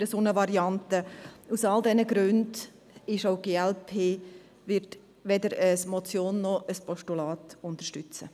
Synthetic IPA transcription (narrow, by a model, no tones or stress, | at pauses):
ɾəsoːnəvɑɾiɑntəusɑldɛnəɡɾʉnd | ɪʃaʊɡeːɛlpʰeː | ʋɪɾt | ʋɛdəɾəsmɔt͡sjoːnːɔʔəspʰɔʃtulɑːtʊntəɾʃtʏt͡sə